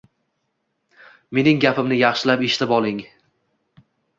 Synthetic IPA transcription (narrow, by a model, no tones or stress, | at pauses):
me̞nɪŋɡʲapʰɪmnɪjɑχʃɪlapeʃt̪ʰapɒlˠɪŋ